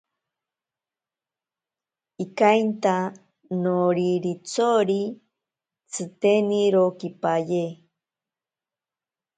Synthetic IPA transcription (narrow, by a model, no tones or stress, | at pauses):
ikajnt̪a | noɾiɾit͡soɾi | t͡sʰɨt̪eniɾokipaje